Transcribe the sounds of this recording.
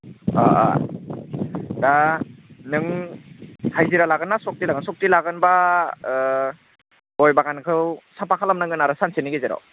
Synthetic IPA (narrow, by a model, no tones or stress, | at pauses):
a̰a̰ | da | nɯŋ | hʰajziɾalaɡɯnːasɔk̚tilaɡɯnsɔk̚tilaɡɯnba | ɔjbaɡankʰɯwsampakʰalamnaŋɡɯnaɾɯsanseniɡezeɾa̰w